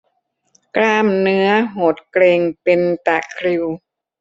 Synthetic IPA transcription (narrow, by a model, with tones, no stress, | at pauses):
klaː˧mnɯ˦˥ɐɦoː˨˩t̪̚kleː˧ŋpe˧nt̪a˨˩kʰɾi˧w